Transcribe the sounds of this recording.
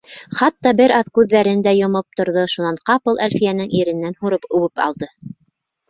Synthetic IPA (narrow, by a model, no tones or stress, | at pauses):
χɑt̪ːɑbɘɾɑðkʉðːæɾɘnd̪æjŏmop̚t̪ŏɾðoʃunɑɴqɑpɤlˠʔæ̰lfijænɘŋiɾɘ̆nːænhuɾɤpʉ̆wɘpɑ̰lˠd̪ɤ